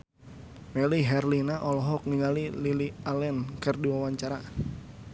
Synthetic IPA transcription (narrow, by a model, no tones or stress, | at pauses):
mɛliɦɛrlinaʔɔlɔɦɔk̚niŋalililialɛnkɨrdiwawaɲt͡ʃaɾa